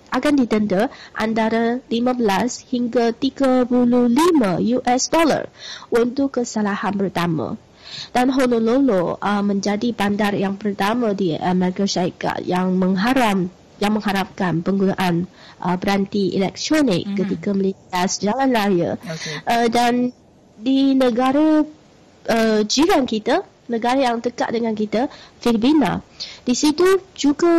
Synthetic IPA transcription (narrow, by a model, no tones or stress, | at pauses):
ʔaɡandit̪əndəʔa̰nd̪aɾalimãbəlashiŋɡat̪iɡapululimãjuʔɛsdɔla̰runt̪ukːəsalahanpərt̪amã̰ | d̥anɦonololoəmə̃ɲd͡ʒadibandarjaŋpərt̪amãdiamɛɾikaʃaɾika̰t̪jaŋməŋɦaɾam | jaŋmə̃ŋɦaɾap̚kanpəŋɡunaʔan | ʔəbəɾant̪iʔḭlɛk̚t̪ɾonɪ̰kːət̪ikaməlesiasd͡ʒalanlaɾiə̰ʔədan | dinəɡaɾə | əd͡ʒiɾankit̪a | nə̃ɡaɾajaŋt̪əka̰ʔdəŋankit̪afirbina̰d̥isit̪ud͡ʒuɡa